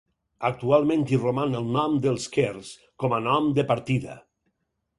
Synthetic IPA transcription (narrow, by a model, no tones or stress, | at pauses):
ək̚t̪ualˠmẽnt̪iromanəlˠnɔmd̪əlˠskers | kɔmənɔmd̪əpaɾt̪iðə̰